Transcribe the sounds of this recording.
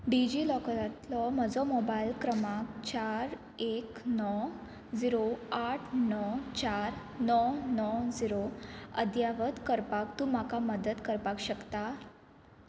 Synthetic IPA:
ɖid͡ʑilɔkəɾat̪lɔm̤əd͡zɔmobailkɾəmak̚t͡ɕaɾ | eknɔ | d͡ziɾoaʈʰnɔt͡ɕaɾnɔnɔd͡ziɾoəd̪jaʋət̪kəɾpak̚t̪ũːm̤akaməd̪ət̪kəɾpakɕəkt̪a

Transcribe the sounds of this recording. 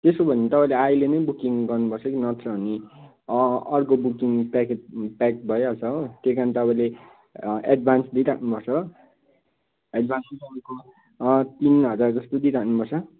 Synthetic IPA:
t̪esobʱʌnit̪ʌpãĩleailenʌjbukiŋɡʌrnupʌrt͡sʰʌkinʌt̪rʌni | ʌrkobukiŋpaketpak̚bʱʌjoʌt͡sʰʌokekanit̪ʌpãĩle | eɖbʱansd̪iɾakʰnupʌrt͡sʰʌ | eɖbʱanssʌmʌko | t̪inɦʌd͡zard͡zʌst̪od̪iɾakʰnupʌrt͡sʰʌ

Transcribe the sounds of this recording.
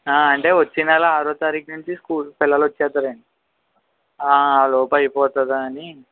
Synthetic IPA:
aːɐɳʈe̞ːʋɐt͡ʃːinalaaːɾoːt̪aːɾiːknuɲt͡ʃiskuːlpilːɐlʋɐt͡ʃːɛːt̪aːɾeːɳɖi | aːaːloːpɐjipɔːt̪ɐd̪aːni

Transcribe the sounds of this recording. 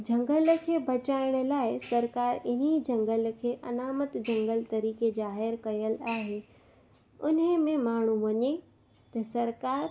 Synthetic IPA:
d͡ʑʱɐ̃ŋɡəlkʰeːbʱɐt͡ɕaːɪɽ̃̆laːɪsɐɾkaːɾɪnid͡ʑɐ̃ŋɡəlkʰeːʔɐnaːmət̪d͡ʑɐ̃ŋɡəlt̪ɐɾiːkezaːɦɪɾkɐjəlaːɦeː | ʊnəmẽmaːɳ̤ũʋɐɲe | t̪ɐsɐɾkaːɾ

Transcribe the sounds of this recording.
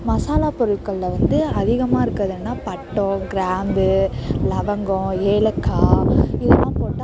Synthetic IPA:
mɐsaːlaːpɔɾɯɭkɐɭːɐʋɐnd̪ɯɐðɪɣɐmaːɪɾɯkːɾɐðeːnːaːpɐʈːɔ̃ɡɪɾaːnb̪ɯlɐʋɐŋɡɔ̃eːlɐkʰːaːɪðɐlːãːpoːʈːã

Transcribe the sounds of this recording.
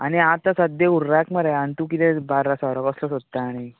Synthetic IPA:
aɽ̃iãt̪asəd̪euɾːakməɾajant̪ũkit̪ebaɾasɔɾɔkɔslɔsot̪ːaːɽi

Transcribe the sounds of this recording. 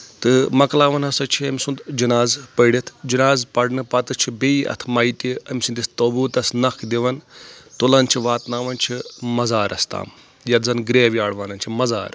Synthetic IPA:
t̪ɨmɐklaːʋɐnɦɐsɐt͡ʃʰiɐmʲsund̪d͡ʒɐnaːzpɐɽʲit̪ʰd͡ʒɐnaːzpɐɽnɨpɐt̪ɨt͡ʃʰibeiɐ̰t̪ʰmɐit̪ʲiɐmʲsund̪ʲist̪obuːt̪ɐsnɐkʰd̪iʋɐnt̪olɐnt͡ʃʰiʋaːt̪naːʋɐnt͡ʃʰimɐzaːɾʔɐst̪a̰ːm | jɐt̪zɐnɡɾeːʋiaːɽʋaːnɐnt͡ʃʰimɐza̰ːɾ

